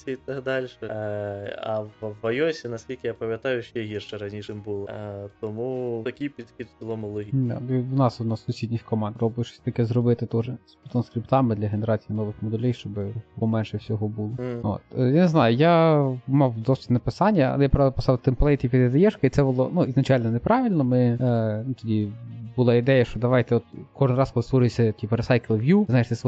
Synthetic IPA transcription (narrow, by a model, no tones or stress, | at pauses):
sʲiit̪ɐɡd̪ɑlʲʃɛ | ɐʋʋɐjɔsʲinɐsʲkʲilʲkʲɪjapɐmʲjɐt̪ɑjʊʃt͡ʃɛɦʲirʃɛɾɐnʲiʂɪmbulˠɔt̪ɔmut̪ɐkʲɪjpʲid̪xʲid̪bʲɪlˠɔmʊlˠɔɦʲid̪ɑ̰inɑsʊnɑsːʊsʲid̪ʲnʲixkɔmɑnd̪ɾɔbʊt͡ʃɪ̥sʲt̪ɐkɛzrɔbɪt̪ɪt̪ɔʐɛsʲpʲit̪ɔnskɾʲipt̪ɑmɪd̪lʲɐɦeneɾɑt͡sʲijinɔʋɪxmɔd̪ɛlʲɛjʃt͡ʃɔbɪpɔmɛnʃɛwsʲɔɦɔbulˠɔo̰t̪janeznɑjʊjamɑwd̪ɔsʲnɐpɪsɑnʲːɐɐ̰ɛjapɾɑʋʲlˠpɪsɑlt̪ɪmplˠɛjt̪ʲipʲid̪ɪd̪ɐjɛʃkɐit̪sɛbʊlˠɔnuiznɐt͡ʃɑlʲnɔnepɾɑʋʲɪlʲnɔmɪnut̪ɔdʲibʊlˠɑɪd̪ɛjɐʃt͡ʃɔd̪ɐʋɑjt̪ɛɔt̪kɔʒɪnɾɑskɔlˠɪsʋɔɾʊjsʲɐtʲipeɾesɑjklˠɪʋjuznajɪʃt̪ɛs